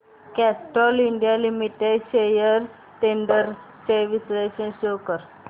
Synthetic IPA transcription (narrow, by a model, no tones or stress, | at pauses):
kɛsʈɔliɳɖijalimiʈeɖɕejəɾ | ʈeɳɖəɾ | seɾʋisɾeɕənɕokəɾ